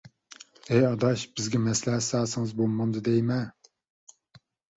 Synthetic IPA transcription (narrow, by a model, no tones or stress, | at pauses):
ɛjɑd̪ɑʃbɪzɡʲɛmɛslæɦsɑːsɨŋɨzbolˠmɑnd̪ɨd̪ɛjmɛ